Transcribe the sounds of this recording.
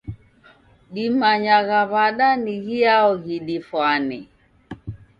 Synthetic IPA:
ɗimaɲaɣaβaɗaniɣiaɔɣiɗifwanɛ

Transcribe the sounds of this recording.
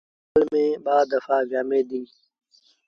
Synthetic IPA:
lmẽːbaːd̪əfaːɡaːmeːd̪iː

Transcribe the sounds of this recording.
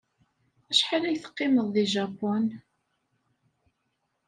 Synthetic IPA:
æʃħalæjθə̥qːɪməðˤːiʒɑpːɔn

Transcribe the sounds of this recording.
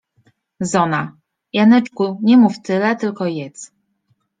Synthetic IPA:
zɔna | janɛt͡ʂkuɲɛmuft̪ɘlɛt̪ɘlkɔjɛt̪s

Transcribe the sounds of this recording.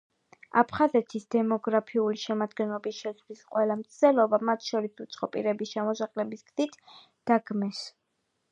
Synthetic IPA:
a̰pʰχazɛt̪ʰisd̪ɛmɔɡɾapʰiuliʃɛmad̪ɡɛnlˠɔbisʃɛslisqʼwɛlˠamt̪sʰd̪ɛlˠɔbamat̪ʰʃɔɾisut̪sʼqʼɔpʼḭɾɛbisʃɛmɔsaqʼlɛbisɡ̥z̥it̪ʰ | d̪̥aɡmɛs

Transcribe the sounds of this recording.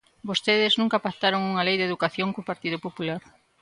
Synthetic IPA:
bost̪eðɪznũŋkapat̪aɾoŋuŋɐlejðeðukaθjoŋkopaɾt̪iðʊpopulaɾ

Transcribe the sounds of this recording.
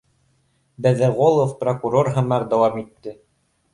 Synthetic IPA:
bɘ̆ðɘʁolˠofprokuɾorɦɤ̆mɑɾd̪æwɑmit̪ːɘ

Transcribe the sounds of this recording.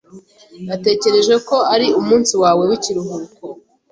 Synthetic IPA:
nate̞ːce̞ɾe̞ʒeko̞aɾiumuːnsiwaːwe̞wiciɾuɦuko

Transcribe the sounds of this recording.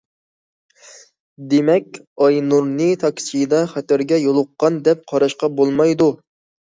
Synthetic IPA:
d̪emɛkʲ | ɑjnuɾnɨt̪ʰɑkʲsijd̪ɑχæt̪æɾɡʲɛjolˠʊqːɑnd̪ɛp̚qʰɑɾɑʃqɑbolˠmɑjd̪u

